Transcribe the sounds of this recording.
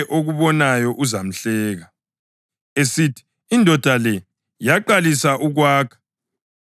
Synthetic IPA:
ʔoɣuβɔnajɔʔuzam̩ɬɛːɣa | esitʰi̥ | indʱɔd̥ʱalɛ | jaǃalisaʔuɣwaːkʰḁ

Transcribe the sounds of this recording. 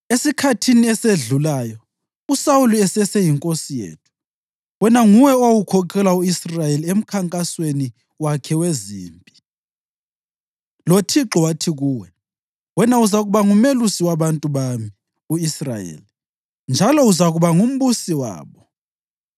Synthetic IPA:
esikʰatʰiniɛseɮulaːjɔ | usawuluɛsɛsejiŋkʼosijḛːtʰu̥ | wɛnaŋuwɛowukʰɔkʰɛlauisrajeliem̩kʰaŋkʼasweni | wakʰɛweziːmpʼi̥ | lotʰiǁɔwatʰiɣuːwɛ | wɛnauzaɣuβaŋumelusiwaβantʼuβami | uisra̰jḛːli | nd͡ʒʱalɔuzaɣuβaŋum̩busiwa̰ːβɔ

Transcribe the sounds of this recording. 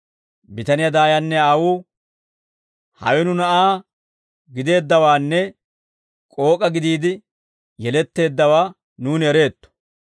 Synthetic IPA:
bɪt̪ɐnɪjɐd̪aːjɐnːɛawuː | hɐ̰wɛnʊnɐʔaː | ɡɪd̪e̞ːd̪ːɐwaːnːɛ | kʼo̞ːkʼɐɡɪd̪iːd̪ɪ | jɛlɛt̪ːe̞ːd̪ːɐwaː | nuːnɛɾe̞ːt̪ːɔ̥

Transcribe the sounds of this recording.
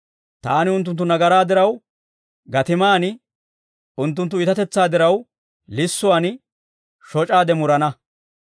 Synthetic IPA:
t̪aːnɪʊnt̪̬ːʊnt̪ːʊnɐɡɐɾaːd̪ɪɾɐw | ɡɐt̪ɪmaːn | ʊnt̪̬ːʊnt̪ːʊɪt̪ɐt̪ɛt͡sːaːd̪ɪɾɐw | lɪsːʊwaːn | ʃɔt͡ʃʼaːd̪ɛmʊɾɐnɐ

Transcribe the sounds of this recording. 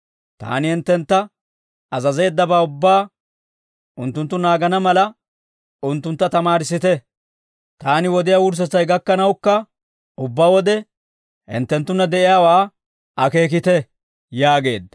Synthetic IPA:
t̪a̰ːnɪhɪnt̪ːɛnt̪ːɐ | ɐzɐzejːd̪ːɐbaːʊbːaː | ʊnt̪ːʊnt̪ːʊnaːɡɐnɐmɐlɐ | ʊnt̪ːʊnt̪ːɐt̪ɐmaːɾɪsɪt̪ɛ | t̪aːnɪwɔd̪ɪjaːwʊɾs̬ɛt͡sɐjɡɐkːɐnɐwkːɐ | ʔʊbːaːwɔd̪ɛ | hɪ̰nt̪ːɛnt̪ːʊnːɐd̪ɛʔɪjaːwaː | ʔɐke̞ːk̬ɪt̪ɛ | jaːɡe̞̰ːd̪ːɐ̥

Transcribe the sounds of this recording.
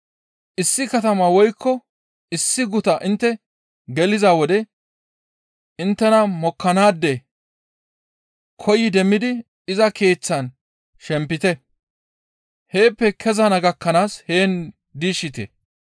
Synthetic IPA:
ʔɪsːɪkɐt̪ɐmɐwɔjkːɔ | ɪsːɪɡʊt̪ɐʔɪnt̪ːɛ | ɡɛlɪzawɔd̪ɛ | ɪnt̪ːɛnɐmɔkːɐnaːd̪ːɛ | kʰɔjɪd̪ɛmːɪd̪ɪ | ɪzɐke̞ːt͡sːɐn | ʃɛmpːɪt̪ɛ | he̞ːpːɛkʰɛzɐnɐɡɐkːɐnaːshe̞ːn | d̪iːʃɪt̪ḛ

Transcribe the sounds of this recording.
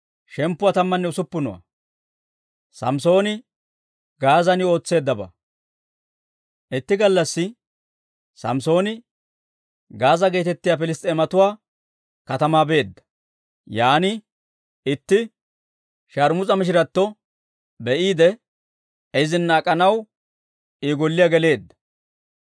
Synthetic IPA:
ʃɛmpːʊwaːt̪ɐmːɐnːɛʊsʊpːʊnɔ̰wɐ̰ | sɐ̰mso̞ːnɪ | ɡaːzɐnɪo̞ːt͡sːe̞ːd̪ːɐbɐ̰ | ʔɪt̪ːɪɡɐlːɐsːɪ | sɐ̰mso̞ːnɪ | ɡaːzɐɡeːt̪ɛt̪ːɪjaːpɪlɪst̪ʼeːmɐt̪ʊwaː | kɐt̪ɐmaːbe̞ːd̪ːɐ̥ | jaːnɪ | ɪt̪ːɪ | ʃaɾmʊt͡sʼɐmɪʃ̬ɪɾɐt̪ːɔ | bɛʔiːd̪ɛ | ɛzɪnːaːkʼɐnɐw | iːɡɔlːɪjaɡɛle̞ːd̪ːɐ̥

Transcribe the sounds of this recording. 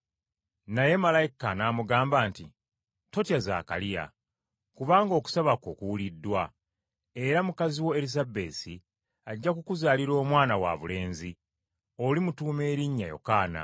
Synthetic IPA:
naje̞malajikanaːmuɡaːmbaːnti | to̞tiaza̰ːka̰lija̰ | kuβaːŋɡo̞ːku̥saβakoːkuwulidːwa | e̞ɾamukaziwo̞elizabe̞ːsi | aɟːakukuzaːliɾo̞ːmwaːnawa̰βule̞ːnzi | olimutuːme̞ːɾiɲːajo̞̰kaːna̰

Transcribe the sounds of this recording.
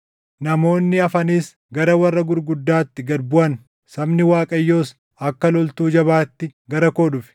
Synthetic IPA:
nɐmo̞ːnːɪɐfɐniːs | ɡɐɾɐwɐrːɐɡʊɾɡʊd̪ːaːt̪ːɪɡɐɾbʊʔɐn | sɐbnɪwaːkʼɐjːoːs | ɐkːɐlɔlt̪uːd͡ʒɐβaːt̪ːɪɡɐɾɐkoːᶑʊfɪ̥

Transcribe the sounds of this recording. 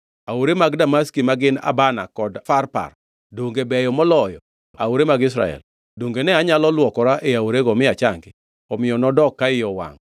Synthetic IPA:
awoɾemaɡdamaskimaɡɪna̰bana̰kɔdfarpa̰r | doŋɡebɛjɔmɔlɔjɔ | a̰oɾemaɡɪs̬ɾa̰ɛ̰l | doŋɡenɛaɲalɔlwɔkɔɾaʔeaoɾeɡɔmɪat͡ʃaŋɡɪ | ɔmɪjɔnɔdɔkːaɪjɔwa̰ŋ

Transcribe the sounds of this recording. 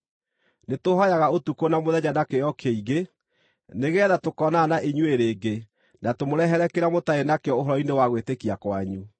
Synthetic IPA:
netoɦɔjaɣaotukonamoðɛɲanakejɔkʰeiɣe | neɣɛːðatokɔnanaʔeɲueɾeːɡe | natomoɾɛɦɛɾɛkeɾamotaenakeɔoɦɔɾɔinewaɣwetekiakwaɲu

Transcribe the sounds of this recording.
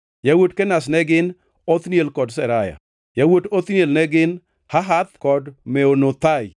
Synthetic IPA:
jawodkɛnas̬nɛɡɪn | ot̪njelkɔdsɛɾaja̰ | jawotot̪njelnɛɡɪn | haɦat̪kɔdmɛonot̪aj

